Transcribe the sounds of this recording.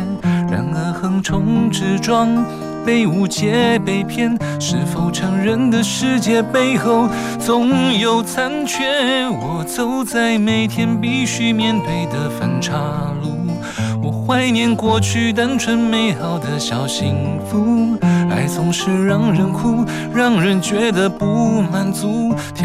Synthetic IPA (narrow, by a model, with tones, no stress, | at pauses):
ɻa̰˧˩nə˧˥xə˧˥˩ŋʈ͡ʂʰʊ˧˥ŋʈ͡ʂɻ̩˥ʈ͡ʂwɑ˥ŋ | pe˥˧ɪu˧˩t͡ɕjɛ˧˥pe˥˩ɪpʰjɛ˥˧n | ʂɻ̩˥˩fo˧˩ʊʈ͡ʂʰɤ˧˥ŋɻə˧˥nd̪ə˨ʂɻ̩˥˧t͡ɕjɛ˥˧pe˥˧ɪxo˥˧ʊ | t͡sʊ˧˥ŋjo˨˧˩ʊt͡sʰa˥nt͡ɕʰɥɛ˥wɔ˨˩t͡so˥ʊt͡sa˥˩ɪme˧˩ɪt̪ʰjɛ˥npi˥˧ɕy˥mjɛ˥˧nfe˥˩ɪd̪ə˨˩fə˧˩nʈ͡ʂʰa˥lu˧˩ | wɔ˨˩xwa˥˧ɪnjɛ˧nkwɔ˥˧t͡ɕʰy˥˧t̪a˥nʈ͡ʂʰwə˧˥nme˧˥ɪxɑ˨˩ʊd̪ə˧ɕjɑ˨˩ʊɕi˧˥ŋfu˥a˧˥ɪt͡sʊ˧˥ŋʂɻ̩˥˧ɻɑ˥˧˩ŋɻə˧˥nkʰu˥ | ɻɑ˥˧ŋɻə˧˥nt͡ɕɥɛ˧˥d̪ə˧pu˧˥ma˨˩nt͡su˧˥